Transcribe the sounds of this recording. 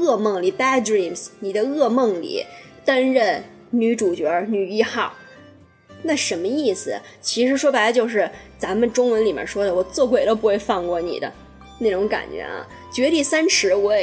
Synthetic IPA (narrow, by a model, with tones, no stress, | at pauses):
ɤ˥˧mɤ˥˩ŋli˨˩pa˥dɹi˥˩msni˨˩d̪ə˦ɤ˥˧mɤ˥˩ŋlḭ˨˩˦ | t̪a˥nɻə˥˩n | ny˧˥ʈ͡ʂu˨˩t͡ɕɥɛ˧˥ny˨˩i˥xɑ˥˩ʊ | na˥˩ʂə˧˥nmə˧i˥˩sɹ̩˨˩ | t͡ɕʰi˧˥ʂɻ̩˧˥ʂwɔ˥bə˨˩˧t͡ɕjo˥˧ʊʂɻ̩˥˩t͡sa˧˥mə˨˧nʈ͡ʂʊ˥ŋwə˧˥nli˨˩mjɛ̰˧˩nʂwɔ˥d̪ə˨wɔ˨˩t͡swɔ˥˩kwɪt̪o˥ʊp̬u˧˥xwe˥˧ɪfɑ˥˧ŋkwɔ˥˩nḭ˨˩d̪ə̰˦ | ne˥˩ɪʈ͡ʂʊ˧˥ŋka̰˨˩nt͡ɕɥɛ̰˧˥ɐ̰˧˩ | t͡ɕɥɛ˧˥t̪i˥˩sa˥nʂɻ̩˧˥wɔ˧˥ɛ˨˩